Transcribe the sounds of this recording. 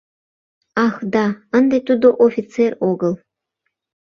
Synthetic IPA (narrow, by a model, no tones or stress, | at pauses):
ɑxd̪ɑənd̪et̪ud̪oʔofʲit͡seroɡəl